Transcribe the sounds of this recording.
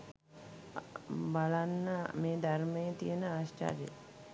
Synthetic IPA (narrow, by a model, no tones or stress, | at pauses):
balanːəmeːd̪aɾməjət̪ijənəaʃʈa̰ɾḛ